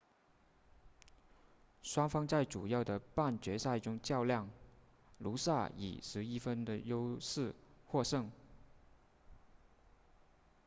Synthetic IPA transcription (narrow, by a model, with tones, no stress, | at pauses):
ʂwɑ˥ŋfɑ˥ŋt͡sa˥˩ɪʈ͡ʂu˨˩jɑ˥˩ʊd̪ə˩pa˥˩nt͡ɕɥɛ˧˥sa˥˧ɪʈ͡ʂʊ˥ŋt͡ɕjɑ˥˧ʊljɑ˥˩ŋ | lu˧˥sa˥˩ḭ˨˩ʂɻ̩˧˥i˥fə˥nd̪ə˨jo˥ʊʂɻ̩˥˧xwɔ˥˧ʂɤ˥˩ŋ